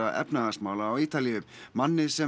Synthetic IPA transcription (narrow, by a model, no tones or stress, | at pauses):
aʔɛ̰pnaasmaːwlaːwiːt̪aliʏmanːɪsɛ